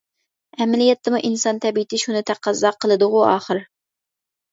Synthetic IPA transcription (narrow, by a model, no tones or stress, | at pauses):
ɛmɪlijɛt̪ʰːɪmuʔinsɑnt̪ʰɛbiɪt̪ʰɪʃunɪt̪ʰæqʰɑzːɑqʰəlˠɨd̪ʊʁʊɑːχəɾ